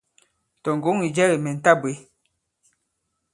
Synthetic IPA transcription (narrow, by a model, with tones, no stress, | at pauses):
tɔ˨ŋ˨ɡo˨˦ŋi˨d͡ʒɛ˦ɣi˨mɛ˨n̩˨ta˦˨be˨˦